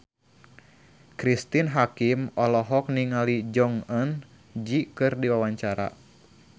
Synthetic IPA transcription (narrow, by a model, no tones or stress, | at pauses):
kɾist̪inɦakimɔlɔɦɔk̚niŋalid͡ʒɔŋɔn | d͡ʒikɨrdiwawaɲt͡ʃaɾa̰